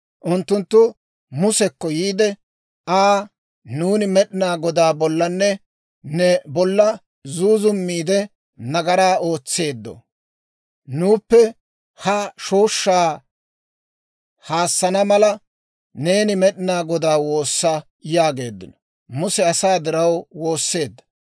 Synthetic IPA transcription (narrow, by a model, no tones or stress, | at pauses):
ʔʊnt̪ːʊnt̪ːʊ | mʊsɛkːɔjiːd̪ɛ | aː | nuːnɪmɛɗɪnaːɡɔd̪aːbɔlːɐnːɛ | nɛbɔlːɐ | zuːzʊmːiːd̪ɛ | nɐɡɐɾaːo̞ːt͡sːe̞ːd̪ːɔ̰ | nuːpːɛ | hɐʃoːʃːaː | haːsːɐnɐmɐlɐ | ne̞ːnɪmɛɗɪnaːɡɔd̪aːwo̞ːsːɐ | jaːɡe̞ːd̪ːɪ̰nɔ | mʊsɛɐsaːd̪ɪɾɐwwo̞ːsːe̞ːd̪ːɐ̥